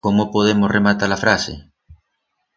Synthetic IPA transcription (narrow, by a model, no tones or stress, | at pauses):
komopoð̞emosrʔemat̪aɾafɾasḛ